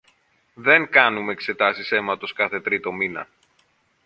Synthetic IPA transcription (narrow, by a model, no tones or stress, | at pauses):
ðe̞ŋkɐnumeekse̞t̪ɐsise̞mɐt̪o̞skɐθe̞t̪ɾit̪o̞minɐ̰